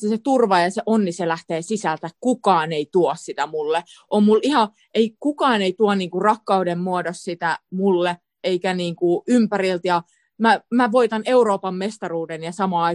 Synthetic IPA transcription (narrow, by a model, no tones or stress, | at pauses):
set̪urʋɑjɑseʔonːiselæht̪eːsisælt̪ækkukɑːneit̪uossit̪æmulːe | ʔommulihɑ | ʔeikukɑːneit̪uɑnniːŋkurɑkːɑudemmuodossit̪æmulːe | eikæniːŋkuympærilt̪jɑ | mæmæʋoit̪ɑne̞uroːpɑmːest̪ɑruːdenjɑsɑmɑ